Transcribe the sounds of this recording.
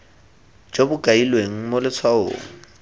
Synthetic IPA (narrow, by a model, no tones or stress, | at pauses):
d͡ʒobʊkʼailweŋ̩molɪt͡sʰwao̰ːŋ̩